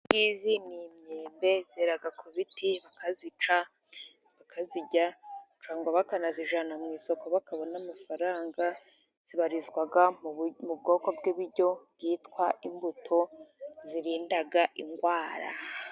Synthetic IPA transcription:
ɡiːzinimɲeːmbe̞z̥eɾaɡakʰuβitʰiβakazit͡ʃa | βakʰaziɟat͡ʃaːŋɡaβakanaziʒanamŋiːso̞ko̞βakaβonamafaɾaːŋɡa | z̥iβaɾizɡwaɡamub̚ɡo̞ːko̞bɡiβiɾɟo̞bjiːtkwaʔimbutʰo̞ziɾiːndaɡaʔiŋɡwaːɾa̰

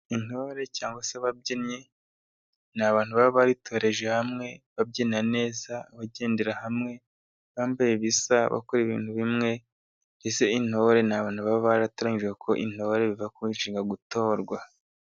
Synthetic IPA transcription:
in̥o̞ɾe̞caːŋɡwaseβab̚ɟenɲe̞ | naβaːn̥huβaβoβaɾitʰo̞ːɾe̞ʒehamŋe̞βabɟenane̞ːzaβaɟe̞ːndeɾahamŋe̞ | βaːmbajeβisaβa̰koɾeβḭːn̥huβimŋe̞ | ɾese̞in̥ho̞ɾe̞naβaːn̥huβaβoβaɾataɾaɲiʒwekʰo̞ʔḭn̥ho̞ɾe̞βivakuiːʒiːŋɡaɡuto̞ːɾɡwa

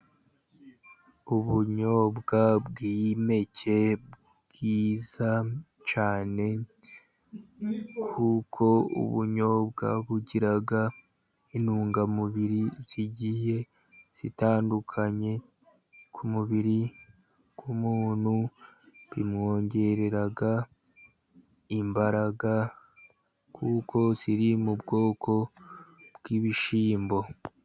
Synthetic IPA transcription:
uβuɲo̞ːbɡabɡime̞cʰe̞b | ɡ̥iːza | t͡ʃaːne̞ | kʰukʰo̞ṵβuɲo̞ːbɡa̰βuɟiɾaɡa | inuːŋɡamuβiɾiz̥iɟihe̞ | z̥itaːndukʰaɲe̞ | kʰumuβiɾi | kumuːn̥hu | βimŋo̞ːɲɟe̞ɾe̞ɾaɡa | imbaɾaɡa | kʰuːkʰo̞z̥iɾimubɡo̞ːkʰo̞ | bɡiβiʃiːmbo̞

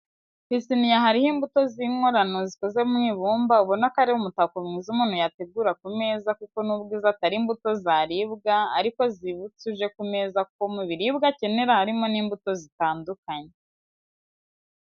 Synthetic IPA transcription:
hisinijaɦaɾihimbuto̞ziŋo̞ɾano̞ziko̞ze̞mŋiːβuːmbauβonakaɾewumutakomŋiːzumuːn̥hujate̞ɡuɾakume̞ːzakuko̞nubɡiːzataɾiːmbuto̞zaɾiβɡaaɾiko̞ziβut͡suʒe̞kume̞zakukomuβiɾibɡace̞ne̞ɾahaɾimo̞niːmbuto̞zitaːndukaɲe

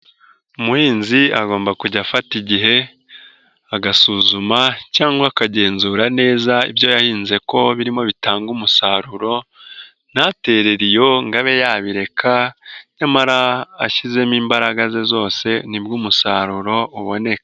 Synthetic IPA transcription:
umuhiːnziaɡo̞ːmbakuɟafatiɟiɦe̞ | aɡasuːzumacaːŋɡwakaɟe̞ːnzuːɾane̞ːzaḭbjo̞jahiːnze̞ko̞βiɾimo̞βitaːŋɡumusaɾuɾo̞ | nate̞ɾe̞ɾijo̞ŋɡaβe̞jaβiɾe̞kʰaɲamaɾaːʃize̞miːmbaɾaɡaze̞zo̞ːse̞nibɡumusaːɾuɾo̞uβo̞ne̞kḁ

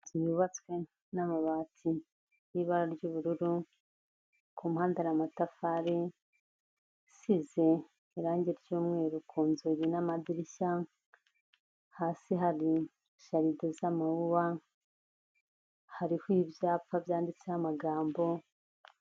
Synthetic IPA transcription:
z̥ijuβat͡swe̞ | namaβaːtʰi | jiβaɾaɾɟuːβuɾuɾu | kʰumuhaːndaɾamatafaɾe | size̞ | iɾaːɲɟeɾjuːmŋe̞ːɾukʰuːnzujenamadiɾiʃa | haːsiɦaɾi | ʃaɾidozamawuβa | haɾihwibjaːpfavjaːndit͡sehamaɡaːmbo̞

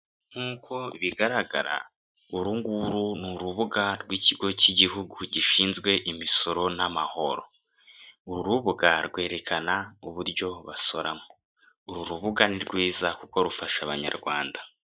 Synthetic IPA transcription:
n̥huːko̞iβiɡaɾaɡa̰ɾa̰ | uɾuŋɡuɾunuɾuβuɡaɾɡwiciɡo̞ciɟiɦuɡuɟiʃiːnzɡwe̞ʔimiso̞ɾo̞namaho̞̰ɾo̞ | uɾuɾuβuɡaɾɡwe̞ːɾe̞kʰanauβuɾɟo̞βaso̞ɾamo | uɾuɾuβuɡaniɾɡwiːzakuko̞ɾufaʃaβa̰ɲa̰ɾɡwa̰ːnda

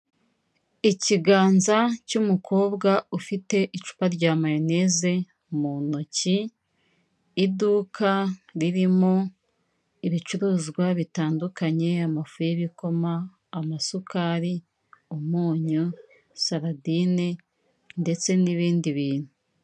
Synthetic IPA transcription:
iciɡaːnzacumukʰo̞ːbɡaufite̞ʔit͡ʃu̥paɾɟaːmajine̞ze̞ | muno̞ci | duːkʰaɾiɾimo̞ | iβit͡ʃuɾuːzɡwaβitaːndukaɲe̞amafujeβiko̞maː | masukaːɾi | umuːɲu | saɾadine | nde̞t͡se̞niβiːndiβiːn̥hu

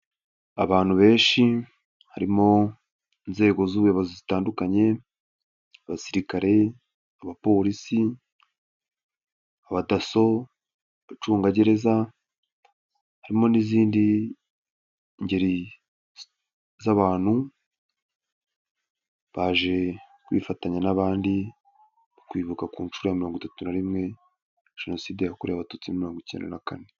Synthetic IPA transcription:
a̰βaːnhuβe̞ːʃi | haɾimo̞ | inze̞ːɡo̞zuβujoβazozitaːndukaɲe̞ | aβasiɾikaɾe̞ | aβapo̞ɾisi | aβataso̞ | βat͡ʃuːŋɡaɟe̞ɾe̞za | haɾimo̞niziːndi | ɲɟe̞ɾi | zaβaːn̥hu | βaːʒe̞ | kwḭfataɲanaβaːndi | okwiːβukakuːnʃuɾojamiɾo̞ːŋɡutatunaɾimŋe̞ | ʒ̥eno̞siːdejakoɾeaβatoːt͡simomiɾo̞ːŋɡicḛndḛnakane

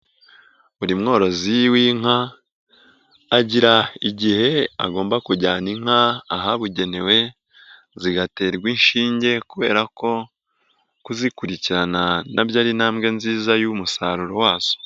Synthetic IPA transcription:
βuɾimŋo̞ːɾo̞ziwiŋ̥a | ɟiɾaiɟihe̞a̰ɡo̞ːmbakuɾɟaːniŋ̥aːɦaβuɟe̞ne̞we̞ | ziɡate̞ːɾɡwinʃiːɲɟe̞kuβe̞̰ːɾako̞ | kuzikuɾiciɾananʔabjaːɾinaːmɡe̞nziːzajumusaɾuɾowaːz̥o̥

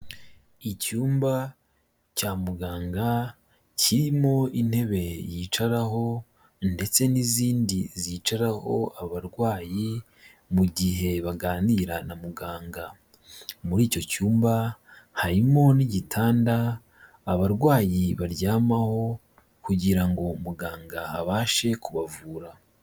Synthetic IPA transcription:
icuːmba | caːmuɡaːŋɡa | ciɾimo̞in̥he̞βe̞jit͡ʃaɾaɦo̞ | nde̞t͡se̞niziːndiziːt͡ʃaɾaho̞̰aβaɾɡwaːji | muɟiɦe̞βaɡaːniɾanamuɡaːŋɡa | muɾiːco̞cuːmbahaɾimo̞niɟitʰaːndaː | βaɾɡwaːjiβaɾɟaːmaho̞ | kuɟiɾaŋɡo̞muɡaːŋɡaaβaːʃe̞kuβavuːɾa

